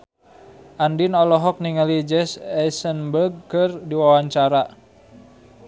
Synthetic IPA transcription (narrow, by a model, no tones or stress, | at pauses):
ʔandinɔlɔɦɔk̚niŋəlid͡ʒɛsɛsənbərɡ̚kɨrdiwawaɲt͡ʃaɾa